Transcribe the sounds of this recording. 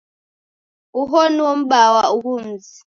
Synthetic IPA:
uɦɔniwɔm̩ɓawauɦum̩zi

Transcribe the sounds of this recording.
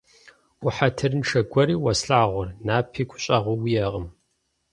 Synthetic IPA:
ʊħatʰɨrnʈ͡ʂʰɐɡʷɐɾiːwɐsɬaːʁʷʊrnaːpʰiːɡʷʰʼʊ̥ɕʼaʁʷʊwijɛʁəm

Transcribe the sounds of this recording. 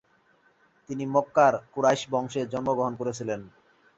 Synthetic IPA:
t̪inimokːaɾkuɾajʃbɔŋʃeɾd͡ʑɔnmoɡɾoɦonkoɾet͡ɕʰilen

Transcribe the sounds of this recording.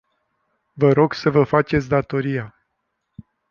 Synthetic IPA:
vəɾo̞ɡsəvəfat͡ʃet̪sʲd̪at̪o̞ɾija

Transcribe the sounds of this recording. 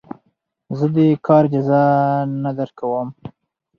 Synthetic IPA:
zəd̪əkʰɑɾd͡ʒazɑnad̪aɾkawəm

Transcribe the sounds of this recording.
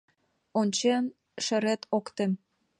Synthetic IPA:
onʲt͡ɕen | ʃĕɾet̪ʰokt̪em

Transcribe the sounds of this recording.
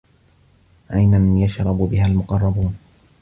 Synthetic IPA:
ʔajnamajaʃɾˤɑbʊbɪɦalmʊqɑrˤːɑbuːn

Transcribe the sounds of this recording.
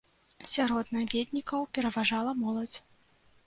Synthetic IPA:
sʲaɾɔd̪navʲed̪ʲnʲikɐwpʲɛɾɐvaʐalˠɐmɔlˠɐd͡zʲ

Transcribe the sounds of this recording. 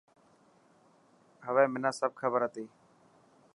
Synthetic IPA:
ɦəʋɛ̃ːmɪnãːsəb̚kʰəbəɾɦət̪eː

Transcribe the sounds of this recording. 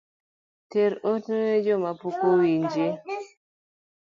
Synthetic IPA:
tɛɾoteed͡ʒɔmapukowind͡ʒe

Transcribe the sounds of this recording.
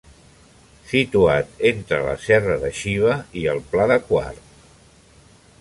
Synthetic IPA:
sit̪uat̪ent̪ɾələ̰sɛrəðəʃiβ̞əiəlˠplaðəkwa̰ɾt̪

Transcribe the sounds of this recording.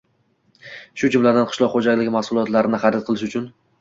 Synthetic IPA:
ʃʊd͡ʒʊmlad̪anqʰɨ̥ʃlˠɒqχod͡ʒaɡʲlɪɡʲɪmahsʊlˠɒt̪laɾɪnɪχad̪at̪̚qʰɨlˠɪʃʊt͡ʃʰʊn

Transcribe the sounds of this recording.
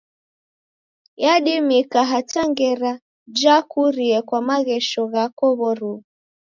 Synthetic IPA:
jaɗimikaɦataŋɡɛɾa | d͡ʒakuɾiɛkwamaɣɛʃɔɣakɔβɔɾuɣ

